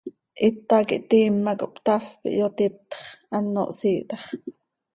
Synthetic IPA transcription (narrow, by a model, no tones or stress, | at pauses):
ʔit̪ːɑkḭʔt̪iːmːakoʔpt̪ɑfpḭʔjot̪ip̚t̪χʔɑnːo̰ʔsiːʔt̪ɑχ